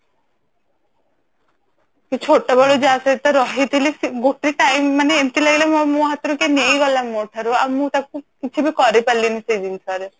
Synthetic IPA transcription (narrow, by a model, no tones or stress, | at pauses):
ket͡ʃʰoʈːabɔɭod͡ʒasat̪ɔɾɔɦit̪ʰilisiɡoʈɾiʈajmːaneemʈilaɡelemɔmoɦat̪ɾukenejɡɔlamːoʈʰaɾuamːũt̪akukit͡ʃʰibʱikɔɾepalːinisejd̪insaɾe